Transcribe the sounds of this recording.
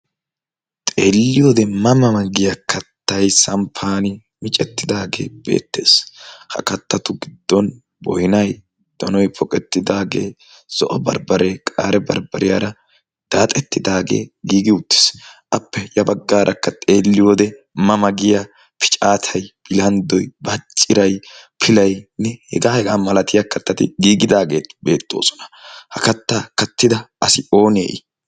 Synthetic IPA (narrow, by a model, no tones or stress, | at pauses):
t̪ʼeːlːɪjoːd̪ɛmɐmɐmɐɡɪjɐkʰɐt̪ːɐjsɐmpʰaːnɪ | mɪt͡ʃʼɛt̪ːɪd̪aːɡe̞̰ːb̥e̞̰ːt̪ːe̞̰ːshɐ̰kɐt̪ːɐt̪ʊɡɪd̪ːɔn | bɔjnɐj | d̪̥ɔnɔjpʰɔkʼɛt̪ːɪd̪aːɡe̞̰ː | z̥ɔʔɔbɐ̰ɾbɐɾeːkʼa̰ːɾɛbɐ̰ɾbɐɾɪjaːɾɐ | d̪̥aːt̪ʼɛt̪ːɪd̪aːɡe̞̰ːɡiːɡɪʊt̪ːɪ̥sʔɐpːɛjɐbɐɡːaːɾʔɐkːɐt̪ʼeːlːɪjoːd̪ɛ | mɐmɐɡɪja | pʰɪ̥t͡ʃʼaːt̪ʰɐjb̥ɪlɐnd̪ɔjbɐt͡ʃʼːɪɾɐjpʰɪlɐjnɛhɛ̰ɡaːhɛɡaːmɐlɐt̪ɪjakɐt̪ːɐt̪ɪɡiːɡɪd̪aːɡe̞ːt̪beːt̪ʼːo̞̰ːsɔ̥nɐ̥hɐkɐt̪ːaːkɐt̪ːɪd̪ɐɐsɪo̞ːnḛːʔɪ